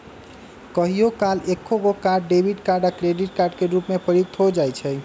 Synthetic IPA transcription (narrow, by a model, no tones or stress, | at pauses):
kəɦijokalekʰːoɡokaɖːebʱiɖkaɾɖakɾeɖiʈkaɾɖkeɾupmepəɾjuɡ̚t̪ʰod͡ʒajt͡ʃʰɛ